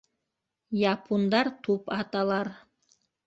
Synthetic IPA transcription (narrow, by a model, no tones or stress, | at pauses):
jɑpʰund̪ɑɾt̪upɑt̪ɑlˠɑɾ